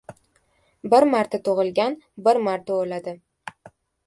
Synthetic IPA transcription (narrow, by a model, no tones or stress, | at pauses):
bɪɾmaɾt̪ʰat̪ʰʊʁɨlˠɡʲanbɪɾmaɾt̪aolad̪ɪ